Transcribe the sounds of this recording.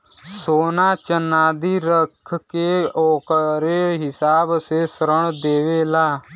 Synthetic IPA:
soːnaːt͡ʃənaːd̪iːɾəkʰkeoːkɾeɦɪsaːbsesəɾəɳ̃d̪eːʋeːlaː

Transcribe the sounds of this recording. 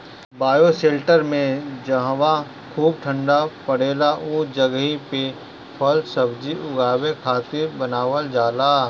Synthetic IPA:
baːjoseːlʈəɾmẽd͡ʒɐɦʋa | kʰuːb̚ʈʰə̃ɳɖapɐɽ̤eːlauːd͡ʒɐɡɦipe | pʰɔlsɐbd͡ʒiʔʊɡaːwekʰaːt̪ɪɾbɐnaːʋəld͡ʒaːlaː

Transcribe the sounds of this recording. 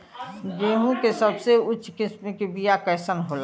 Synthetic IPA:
ɡeːɦũkesəbseʊtːt͡ʃʰːkɪsmekebijakəjsənɦoːla

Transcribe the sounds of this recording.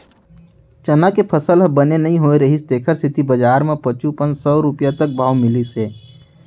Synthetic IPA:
t͡ʃənakepʰəsəlbənenɐɦĩɦoːeɾɐɦist̪eːkʰəɾst̪ʰɪt̪ibɐd͡ʒaːɾmẽpət͡ʃũpə̃nd͡ʒsɔːɾʊpjat̪ək̚bʱaːʋmɪliseː

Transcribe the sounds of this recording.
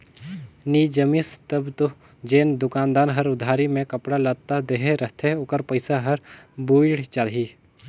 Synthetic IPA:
niːd͡ʒəmist̪əbt̪o | d͡ʒeːnd̪ʊkaːnd̪aːnɦɐɾʊd̪ʱaːɾimẽkɐpɽalət̪ad̪eɦeɾət̪ʰeʊkəɾpəɪsaɦɐɾbuːɽt͡ʃaːliː

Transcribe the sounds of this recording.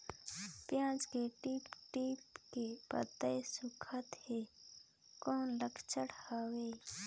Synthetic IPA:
pjãːt͡ʃkeʈiːpʈiːpkepə̰t̪ːəjsʊkʰət̪heː | kɔːnləkʰt͡ʃəɽhaːweː

